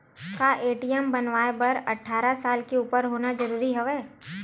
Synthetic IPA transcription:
kaːʔeːʈijɛmbɐnʋaːebɐɾɐʈʰːaːɾasaːlkeuːpəɾɦoːnad͡ʒɐɾuːɾiɦɛʋɛː

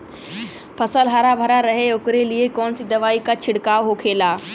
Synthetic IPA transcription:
pʰɐsəlɦaːɾabʱəɾaɾɐɦeʊkɾeliekɔːnsid̪ɐʋaːikat͡ɕʰɪɽkaːoɦokʰeːlaː

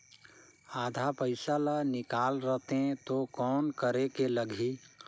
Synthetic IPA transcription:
aːd̪ʱapəɪsalanɪkaːlɾəɦt̪ẽt̪okɔːnkəɾekeləɡʱi

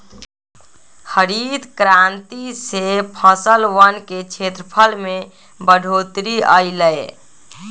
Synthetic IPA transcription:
həɾid̪kɾãnt̪isepʰəsəlʋənket͡ʃʰet̪ɾəpʰəlme | bəɖʱot̪ɾiəɪləj

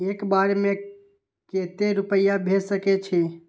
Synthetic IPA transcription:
ekbaɾeme | ket̪eɾupəɪjabʱed͡ʒsəkɛt͡ʃʰi

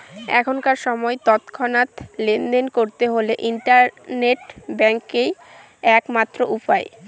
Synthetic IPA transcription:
ɛ̰kʰonkaɾʃɔmɔet̪ɔt̪kʰɔnat̪lend̪enkoɾt̪eɦoleʔiɳʈaɾneʈbɛŋkej | ɛkmat̪ːɾoʔupae

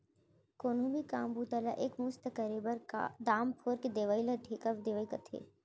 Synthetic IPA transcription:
koːnõbʱikãːmbuːt̪ala̰ʔeːkmust̪əkəɾebɐɾkd̪aːmpʰoːɾked̪eːʋaːilɐʈʰekɐʋd̪eːʋaːikɐt̪ʰḛː

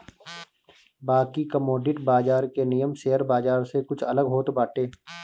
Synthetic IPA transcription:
baːkikəmoːɖɪʈbaːd͡ʒaːɾkenijəmseɦəɾbaːzaːɾsekʊt͡ʃʰɐləɡɦoːt̪baːʈeː

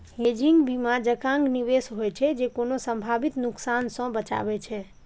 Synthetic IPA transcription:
ɦed͡ʒiŋɡbimad͡ʒəkãŋɡniʋesɦojt͡ʃʰɛd͡ʒekonosə̃mbʱabit̪nuksansə̃bət͡ʃa̰bɛt͡ʃʰɛ

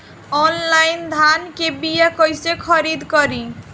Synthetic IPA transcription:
ɔnlajind̪ʱankebijakəjsekʰəɾid̪ʱkəɾi

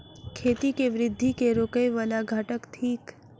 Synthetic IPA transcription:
kʰeːt̪ikeʋɾɪd̪ʱːikeɾoːkəjʋaːlaɡʱaʈəkt̪ʰiːk

